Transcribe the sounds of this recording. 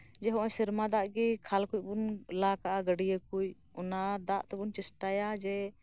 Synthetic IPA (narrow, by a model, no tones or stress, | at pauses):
d͡ʒɛɦɔ̃ʔɔɲsiɾmad̪aʔɡikʰalkuc̚ˀbunlakaʔaɡəɖijəkuj | ɔnad̪aʔt̪ɛbunt͡ʃɛsʈajad͡ʒɛ